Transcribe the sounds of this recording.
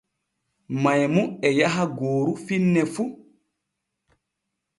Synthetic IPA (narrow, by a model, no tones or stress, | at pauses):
majmuɛjaɦaɡoːɾufinːɛfu